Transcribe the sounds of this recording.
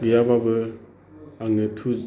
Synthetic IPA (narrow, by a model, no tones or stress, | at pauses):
bijababɯ | aŋnɯtʰu